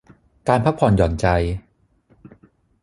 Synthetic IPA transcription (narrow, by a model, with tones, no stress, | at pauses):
kaː˧npʰa˦˥pʰːɔː˧˩njɔː˨˩nt͡ɕa˧j